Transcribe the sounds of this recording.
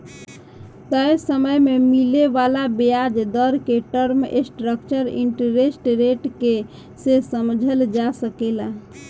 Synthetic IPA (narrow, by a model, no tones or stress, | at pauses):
t̪əjsəməjmemileʋalabejad͡ʒd̪əɾkeʈəɾmḛsʈɾəkt͡ʃəɾḭɳʈəɾesʈɾeʈke | sesəmd͡ʒʱəld͡ʒasəkela